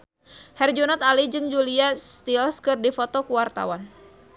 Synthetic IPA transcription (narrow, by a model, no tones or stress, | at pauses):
hɛrd͡ʒunat̪alid͡ʒɨŋd͡ʒuliast̪ilskɨrdifot̪ɔkuwart̪a̰wan